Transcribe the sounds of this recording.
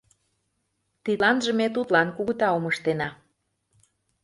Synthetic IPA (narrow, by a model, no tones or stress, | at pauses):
t̪ilɑnʒə̆met̪̬ut̪lɑnkuɣə̆t̪ɑoməʃt̪enɑ